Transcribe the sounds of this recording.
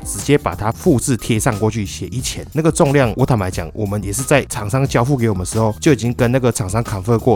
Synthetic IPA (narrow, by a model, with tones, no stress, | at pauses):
ʈ͡ʂɻ̩˧˥t͡ɕjɛ˦˥pa˨˩t̪ʰa˦fu˥˧t͡sɻ̩˥˧t̪ʰjɛ˧sɑ˥˧ŋkwɔ˥˧t͡ɕʰy˥˩ɕjɛ˨˩ʔi˨˥t͡ɕʰjɛ˨˦nna˥˩ɡə˩ʈ͡ʂo˥˧ŋljɑ˥˨ŋwʔɔ˧˥t̪ʰa˨˥ŋla˧˥ɪt͡ɕjɑ̰˨˩˦ŋwʔɔ˨˩mə˦njɛ˨˩ʂɻ̩˥˧t͡sa˥˩ɪʈ͡ʂʰɑ˨˩ŋsɑ˥ŋd̪ə˧t͡ɕjɑ˥ʊfu˥˩k̬e˧˦ɪwɔ˨˩ə˨nə˧ʂɻ̩˧˦xo˥˩ʊt͡ɕjo˥˩ʊi˨˩t͡ɕi˦ŋkə˦˥nna˥˩ɡə˨˩ʈ͡ʂʰɑ˨˩ŋʂɑ˥ŋkʰa˨˩nfə˥˧kwɔ˥˩